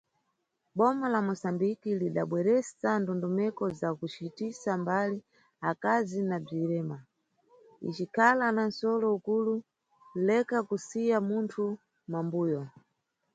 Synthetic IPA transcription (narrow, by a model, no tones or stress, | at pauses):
ɓɔmalamusambikiliɗa̰ɓwɛɾɛsandɔndɔmɛkɔzakut͡ʃitisambali | akazinab͡ʐiɾɛːma | ḭt͡ʃikʰalanansɔlɔukulu | lɛkakusijamuntʰu | mambuːjɔ